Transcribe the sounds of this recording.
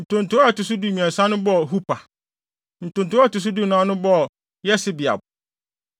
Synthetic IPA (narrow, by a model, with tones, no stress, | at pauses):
n̩˨tʰʊ̃˨ntʰʊ˨˦ɔ˦ɛ˨tʊ˨s̬ʊ˦du˨˦mĩ˨ã˨sã˦nʊ̃˦bɔ˦˨ɦu˦pʰa˨ | n̩˨tʊ̃˨n˨tʊ˨˦ɛ˦˨tʊ˨s̬u˦du˦˨nã˨˦nʊ̃˦bɔ˦˨ | jɛ˦sɪ˦bɪ˨a̰˨bʊ˨